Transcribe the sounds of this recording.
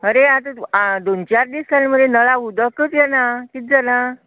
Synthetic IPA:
əɾeat̪əd̪ont͡ɕaɾd̪isalməd̪ʱjenəɭaud̪əkət͡sjanakit̪̚d͡zana

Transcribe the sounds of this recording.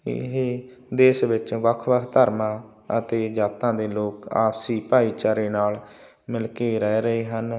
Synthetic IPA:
ɪ̰ɦeː | d̪eːsʋɪt͡ʃʋəkʰʋəkʰt̪əɾmãː | ət̪eːd͡ʒaːt̪ãːd̪eːloːka̰ːpsiːpaːiːt͡ʃaːɾeːnaːl | mɪlkeːɾɛːɾəeːɦən

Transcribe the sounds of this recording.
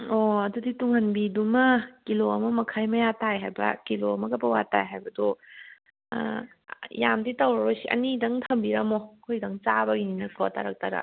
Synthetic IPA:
oɐdudituŋhɐnbidumɐkiloɐmɐmɐkʰajmɐjatajɦajbɐ̰kiloɐmɐɡɐpɐwata̰jɦajbɐdɔ | jamditawɾɐbɐsiʔɐ̰nidɐŋtʰɐmbiɾɐmokʰojdɐŋt͡ʃabɐɡininɐsʰɔatʰa̰ɾak̚tʰaɾa̰

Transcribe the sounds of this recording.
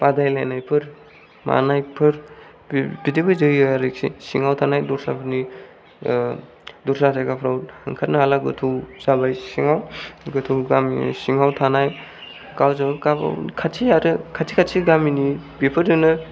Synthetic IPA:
padajlajnajpʰɯɾ | ma̰najpʰɯɾ | bidebɯzɯjjaɾik̚sḭsiŋawtʰanajduɾsapʰni | duɾsaajɡapʰɾawhɯŋkʰat̚naɦalaɡɯtʰɯwz̥abajsiŋawɡɯtʰɯwɡamsiŋawtʰanaj | kawzɯkaba̰kʰattʰiaɾɯkʰatsʰikʰatsʰiɡaminipepʰɯɾdɯnɯ

